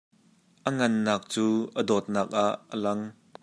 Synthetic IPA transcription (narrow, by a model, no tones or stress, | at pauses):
ʔəŋɐnːaːk̚t͡suːʔədɔːt̪̚naːk̚ʔaʔːəlɐŋ